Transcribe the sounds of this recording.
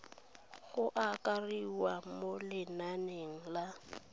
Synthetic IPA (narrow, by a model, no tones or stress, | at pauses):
ɣʊʔakʼariwamolɪnaneŋ̩la